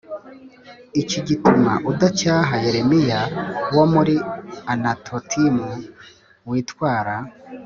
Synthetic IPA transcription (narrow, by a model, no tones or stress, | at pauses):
iciɟituma̰ʔudacaːɦaje̞ɾe̞mijawomuɾianatʰotʰimu | wiːtwaːɾa